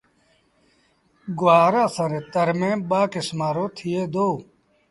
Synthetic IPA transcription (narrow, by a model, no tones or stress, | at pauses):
ɡwaːɾaːsɐɾẽt̪ɐɾmẽːbaːkesmaːɾoːt̪ʰijed̪oː